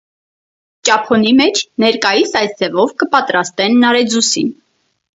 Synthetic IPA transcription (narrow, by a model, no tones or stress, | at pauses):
t͡ʃɑpʰɔnimɛt͡ʃʰnɛɾkɑjisɑjsd͡zɛvɔvkəpɑt̪ɾɑst̪ɛnːɑɾɛd͡zusḭn